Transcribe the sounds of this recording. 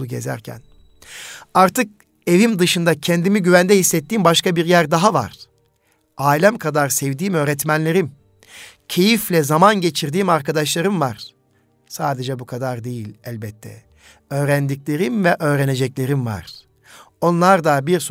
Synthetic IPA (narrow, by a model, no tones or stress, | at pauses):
uɟḛzæ̰ɾcʰæ̰n | aɾt̪ɯk̚ | e̞vimd̪ɯʃɯnd̪acʰɛnd̪imiɟyvænd̪ɛhisːɛt̪ːiːmbaʃkabiɾjæɾd̪aɦava̰ɾ̥ | aːlʲæmkʰad̪aɾsɛvd̪iːmø̞ːɾɛt̪mænlʲe̞ɾim | cʰe̞jiflʲɛzamanɟe̞t͡ʃʰiɾd̪iːmaɾkad̪aʃlˠaɾɯmvaɾ̥ | saːd̪ed͡ʒɛbukʰad̪aɾd̪e̞jilʲælʲbɛt̪ʰːɛ̰ | øːɾænd̪iclʲe̞ɾimvɛʔø̞ːɾɛne̞d͡ʒɛclʲe̞ɾimva̰ɾ̥ | o̞nlˠaɾd̪abiɾs